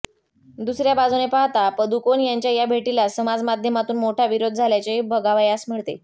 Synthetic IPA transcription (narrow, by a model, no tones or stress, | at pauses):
d̪usɾjabad͡zunepaɦt̪apəd̪ukonjaɲt͡ɕjajabʱeʈilasəmad͡zmad̪ʱjəmat̪uːnmoʈʰaʋiɾod̪̚ʱd͡zʱaljat͡ɕebʱəɡaʋajasmiɭt̪e